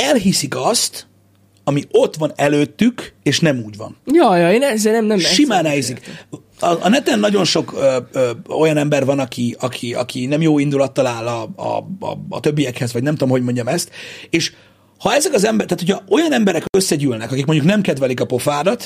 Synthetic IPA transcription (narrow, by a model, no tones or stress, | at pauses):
ɛlɦisikɒst̪ | ɒmio̞t̪ʋvɒnɛløːt̪ːykeːʃnɛmuːɟvɒ̰njɒjɒeːnɛzenɛmnɛmʃimaːnɛjzikː | nɛt̪ɛnːɒɟo̞nʃo̞køːøːo̞jɒnɛmbɛrvɒnɒkʰiɒkʰiɒ̰kinɛmjoːind̪ulɒt̪ːɒlaːlɒɒ̰ːt̪ø̞bːijɛkhɛzvɒɟnɛmt̪omɦoɟmo̞ɲɟɒmɛst̪eːʃ | hɒɛzɛkɒzɛmbɛt̪aːt̪ocʰɒo̞jɒnɛmbɛɾɛkøsːɛɟyːlnɛkɒkikmoɲɟuknɛmkɛd̪vɛlikɒpo̞faːɾɒt̪